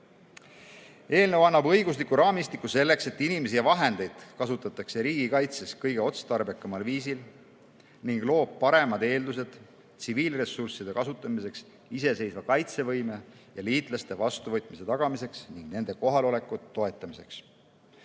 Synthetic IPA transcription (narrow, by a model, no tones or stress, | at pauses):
e̞ːlnewɑnːɑbɤjɡus̬likːuɾɑːmist̪ikːˑuse̞lːe̞kse̞t̪ːinimes̬ijɑvɑɦe̞nd̪̥e̞jd̪̥kɑsut̪ːˑɑt̪ːˑɑkse̞ɾiːɡ̥ikɑjt̪se̞skɤjɡ̥e̞o̞t̪st̪ɑrbekːɑmɑlviːsil | niŋɡ̥lo̞ːb̥̚pɑɾe̞mɑd̪e̞ːld̪us̬e̞d̪̥ | t̪siviːlre̞sursid̪e̞kɑsut̪ːˑɑmise̞ks | ise̞se̞jsvɑkɑjt̪se̞vɤjme | jɑliːt̪ˑlɑse̞vɑst̪uvɤjt̪ːˑmise̞t̪ɑɡ̥ɑmise̞ksniŋɡ̥ne̞nd̪̥e̞ko̞ɦɑlo̞le̞kːˑuːo̞e̞t̪ːˑɑmise̞̰ks